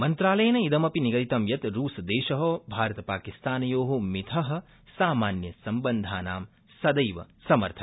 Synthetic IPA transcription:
mɐnt̪ɾaːlɐjnɐid̪ɐmɐpiniɡɐɾit̪ɐmjɐt̪ɾuːsɐd̪eːʃɐɦoːbʱaːɾɐt̪ɐpaːkist̪aːnɐjoːɦomit̪ʰɐɦɐ̆ | saːmaːnjɐsɐmbɐnd̪ʱaːnaːm | sɐd̪ɐjʋɐ̰sɐmɐ̰ɾt̪ʰɐ

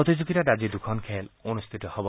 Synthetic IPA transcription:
ɔt̪id͡ʒuɡiɾaɾad͡ʒid̪ukʰɔnkʰelonust̪ʰit̪ɔhɔbɔ

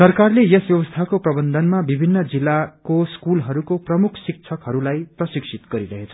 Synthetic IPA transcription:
sʌrkarlejesbjʌbʌst̪ʰakoprʌbʌnd̪ʱʌnmabibʱinːʌd͡zilːakoskulɦʌɾukoprʌmukʰsik̚t͡sʰʌkɦʌɾulajprʌsiksʰit̪ɡʌɾiɾʌɦet͡sʰʌ̥

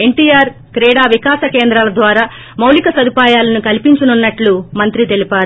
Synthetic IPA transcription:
e̞ɳʈiːjaːɾ | kɾɛːɽaːʋikaːsɐkeːnd̪ɾaːlɐd̪ʋaːɾaː | mɐwlikɐsɐd̪ʱipaːjaːlɐnukɐlipiɲt͡ʃɐnunːɐʈlumɐnt̪ɾit̪e̞lipaːɾu

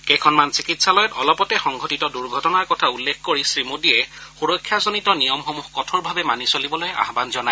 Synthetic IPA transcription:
kɛjkʰɔnmansikitsalɔjɔtɔlɔpɔtɛxɔŋɡʱɔtitɔduɹɡʱɔtɔnaɹkɔtʰaulːekʰkoɹisɹimudiɛxuɹɔkʰːjazonitɔnijɔmxomuxkɔtʰɔɹbʱabɛmanisolibɔloja̰ɦbanzɔna

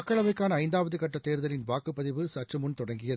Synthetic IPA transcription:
ɐkːɐɭɐʋɐɪkːaːnɐːɪnd̪aːʋɐðɯkɐʈːɐt̪ːeːɾɯðɐlɪnʋaːkɯpːɐðɪʋɯsɐʈrɯmʊnt̪ɔɽɐŋɡɪjɐð

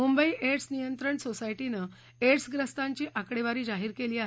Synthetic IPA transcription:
mumbəiːʔeʈsnijənt̪ɾəɳsosaiʈinə | eʈsɡɾəst̪aɲt͡ɕiːʔakɽeʋaɾiːd͡ʑaɦiːɾkeliːaɦe

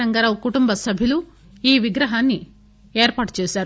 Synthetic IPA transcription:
ɐŋɡɐɾɐkuʈumbɐsɐbʱilu | iːʋiɡɾɐɦaːnːi | eːɾpaːʈu̥t͡ʃeːsaːɾu

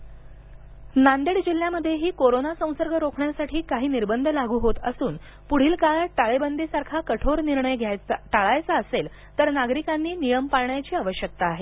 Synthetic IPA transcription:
nand̪eɽd͡ʑil̤jaməd̪ʱːjeɦiːkoɾonasə̃w̃səɾɡʱəɾokʰɳjasaʈʰiːkaɦiːniɾbənd̪ʱəlaɡʱuːɦot̪əsuːn | puɽ̤iːlkaɭʈaɭebənd̪ʱisaɾkʰakəʈʰoɾniɾɳəjɡʱjajʈaɭajt͡saəsel | t̪əɾnaɡɾikanːiːnijəmpaɾɳjat͡ɕiːaʋəɕjək̚t̪aːɦe

